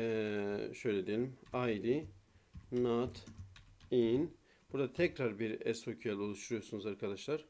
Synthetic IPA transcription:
ɛʃø̞jlʲed̪ijelʲimajd̪i | nat̪ | in | b̥uɾd̪at̪ʰɛcɾaɾbiɾɛsocʰyjalˠolˠuʃt̪uɾujosunuzaɾkʰad̪aʃlˠaɾ̥

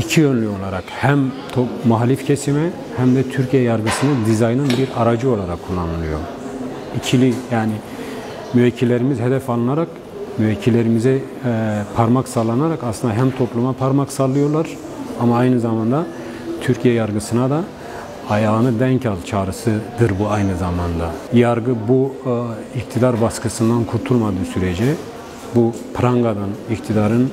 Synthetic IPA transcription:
icʰijø̞nlʲyo̞lˠaɾakhæmt̪ʰomaɦlʲifcʰesimɛ | hæmd̪ɛt̪ʰyɾcʰijɛjaɾɡɯsɯnɯd̪izajnɯnbiɾaɾad͡ʒɯo̞lˠaɾakʰːulˠːanɯlˠɯjo̞̰ | icʰilʲijaːni | myvɛcʰːilʲːe̞ɾimizɦed̪ɛfalˠɯnaɾak | myvɛcʰːilʲːeɾimizɛ | pʰaɾmaksalˠːanaɾakaslɯnd̪aɦæmt̪ʰo̞plˠumapʰaɾmaksalˠɯjo̞ɾlˠaɾ̥ | amaːjnɯzamand̪a | t̪ʰyɾcʰijɛjaɾɡɯsɯnad̪a | ajaːnɯd̪æncʰalˠt͡ʃʰaːɾɯsɯd̪ɯɾbuajnɯzamand̪ajaɾɡɯbu | ikt̪ʰid̪aɾbaskɯsɯnd̪ankʰuɾt̪ʰulˠmad̪ɯːsyɾɛd͡ʒɛ | bu | pʰɾaŋɡad̪anikt̪ʰid̪aɾɯn

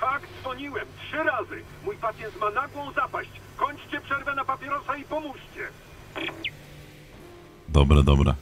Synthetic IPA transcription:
faɡd̪zvɔɲiwɛmtʂɘɾazɘ | mujpat̪sʲjɛnt̪manaɡwɔ̃w̃zapaɕt͡ɕkɔɲʲt͡ʂt͡ɕɛpʂɛɾvɛnapapʲjɛɾɔsaipɔmuɕt͡ɕɛ | d̪ɔbɾɛd̪ɔbɾɛ̰

